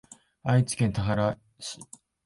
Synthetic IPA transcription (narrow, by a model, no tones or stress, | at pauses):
ait͡si̥kẽ̞nt̪aɦaɾa | ɕi̥